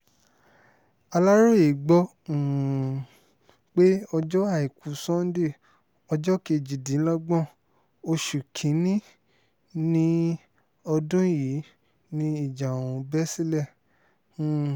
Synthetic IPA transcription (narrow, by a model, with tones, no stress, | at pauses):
a˧la˦ɾo˦i˨ɡ͡bɔ̃˧˨ | k͡pe˦ɔ˧d͡ʒɔ˦a˦˨i˨kʰu˨˦sɔ̃˦n̩˦di˦˨ | ɔ˧d͡ʒɔ˦ke˧˨d͡ʒi˨dĩ˨˦lɔ˦ɡ͡bɔ̃˦˨ | o˧ʃu˨kʰĩ˨˦nĩ˦ | nĩ˦ | ɔ˧dũ˦ji˨˦ | nĩ˦i˦˨d͡ʒa˨ũ˨˧bɛ˦si˦lɛ˦˨˦